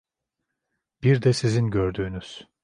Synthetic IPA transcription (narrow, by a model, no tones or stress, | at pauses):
b̥iɾd̪ɛsizinɟøɾd̪yːnyz̥